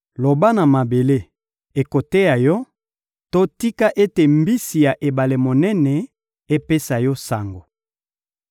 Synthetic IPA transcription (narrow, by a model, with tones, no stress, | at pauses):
lo˨ba˦na˨ma˨be˨le˦ | e˨ko˨te˦ja˨jɔ˦ | to˦ti˦ka˦ʔe˦te˨mbi˦si˨ja˨ʔe˨ba˨le˨mo˨nɛ˦nɛ˨ | e˦pe˦sa˨jɔ˦sa˨ŋɡo˨